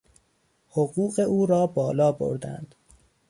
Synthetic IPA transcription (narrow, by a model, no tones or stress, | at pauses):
hoɢuːɢe̞ʔuːɾɒːbɒːlɒːbo̰ɾd̪æ̰nd̪̥